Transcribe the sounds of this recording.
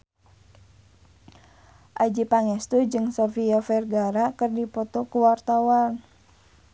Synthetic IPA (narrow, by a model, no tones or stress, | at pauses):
ʔad͡ʒipaŋɛst̪ud͡ʒɨŋsɔfiafɛrɡaɾakərdipɔt̪ɔkuwart̪awan